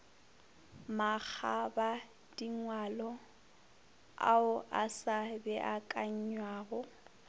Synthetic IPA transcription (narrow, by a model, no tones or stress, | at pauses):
mak͡xʰaba | d̥iŋwalɔ | a̰ʊʔasabɛʔakʼaɲ̩ɲwaːɣʊ